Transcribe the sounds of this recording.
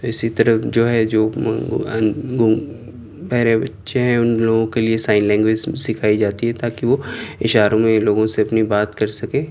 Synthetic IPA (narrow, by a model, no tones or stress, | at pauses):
t̪oɪsit̪ɐɾəd͡ʒoːɦɛd͡ʒoː | ɡ | pɛɦɾebɐtːʃeɦɛ̃ʊnloːɡõkeliesaːɪnlɛ̃ːŋɡʋezsɪkʰaːid͡ʒaːt̪iɦɛt̪aːkiʋoːɪʃaːɾõmẽloːɡõseɐpnibaːt̪kɐɾsɐkẽː